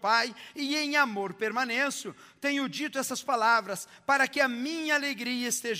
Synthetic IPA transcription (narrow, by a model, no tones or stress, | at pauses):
pajɪẽj̃amoɾpeɾmɐ̃nẽsʊ | t̪ẽɲʊd͡ʒit̪ʊɛsɐspalavɾɐs | paɾɐkɪɐmĩɲɐːleɡɾiɐɪst̪eʒ